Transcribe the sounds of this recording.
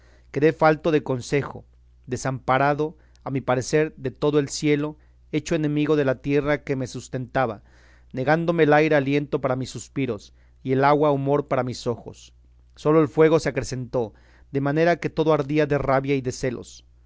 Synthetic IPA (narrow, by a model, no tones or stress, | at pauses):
ke̞ðe̞falt̪o̞ðe̞ko̞nse̞xo̞̰ | ðe̞sampaɾaðo | amipaɾe̞se̞ɾðe̞t̪o̞ðoe̞lsje̞lo̞ | e̞t͡ʃo̞ene̞miɣo̞ð̞e̞lat̪je̞rake̞me̞sust̪e̞nt̪aβa | ne̞ɣand̪o̞meːlajɾealje̞nt̪o̞paɾamisːuspiɾo̞s | ie̞laɣwaumo̞ɾpaɾamiso̞xo̞̰sː | o̞lo̞e̞lfwe̞ɣo̞se̞akɾe̞se̞nt̪o̞ | ðe̞mane̞ɾake̞t̪o̞ðo̞aɾðiaðe̞raβjaiðe̞se̞lo̞̰s